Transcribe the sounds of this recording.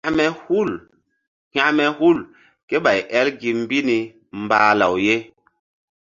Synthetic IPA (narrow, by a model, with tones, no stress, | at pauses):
mɛ˦hu˦˨l | ha˦mɛ˨hu˦˨l | ke˦ɓa˨jʔɛ˦lɡi˨m̩˦bi˦ni˨ | m̩˨baː˨la̰˨wje˦